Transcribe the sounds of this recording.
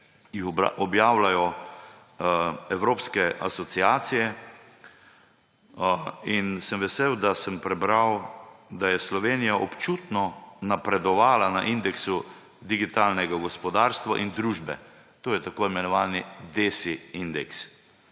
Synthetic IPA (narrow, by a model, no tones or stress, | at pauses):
jixɔbjaːwlajɔ | ɛwɾoːpskɛʔa̰sɔsiaːsijɛ | insəmʋɛseːwd̪asəmpɾɛbɾawd̪ajɛslɔʋeːnijaʔɔpt͡ʃuːt̪nɔnapɾɛd̪ɔʋaːlanaʔind̪ɛksu | d̪iɡit̪aːlnɛɡaɡɔspɔd̪aːɾst̪ʋa̰ʔind̪ɾuːʒbɛ̰ | t̪oːjɛt̪akoːimɛnɔʋaːnid̪esiind̪ɛks